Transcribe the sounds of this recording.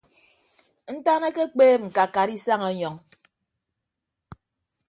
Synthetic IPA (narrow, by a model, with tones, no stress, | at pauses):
n̩˦ta˦ne˦ke˦k͡peː˦ŋ͡m̩˨ka˨ka˨ɾi˦sa˦ŋɔ˨˦ɲɔ˨ŋ